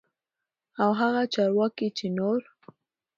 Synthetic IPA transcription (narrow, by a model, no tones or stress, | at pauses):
awɦaɣat͡ʃɑɾwɑkit͡ʃenoɾ